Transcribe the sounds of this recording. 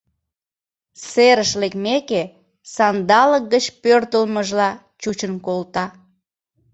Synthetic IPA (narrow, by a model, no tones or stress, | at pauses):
seɾəʃlekmeke | sɑnd̪ɑlək̚ɡət͡ɕpørt̪əlməʒlɑ | t͡ɕut͡ɕənkolt̪ɑ